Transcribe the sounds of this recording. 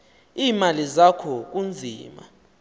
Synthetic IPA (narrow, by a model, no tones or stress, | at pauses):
iːmalizakʰɔk̬und͡zʱḭːma̰